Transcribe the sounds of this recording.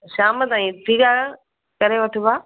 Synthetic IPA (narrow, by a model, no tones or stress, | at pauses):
ʃaːmət̪ãːĩtʰiːkaː | kɐɾeʋɐʈʰubaː